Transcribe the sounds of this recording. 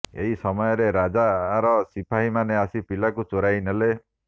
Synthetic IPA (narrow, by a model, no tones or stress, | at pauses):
ḛɦisɔmɔjɔɾeɾad͡ʒaɾɔsipʰaɦimaneasipilakut͡ʃoɾajnele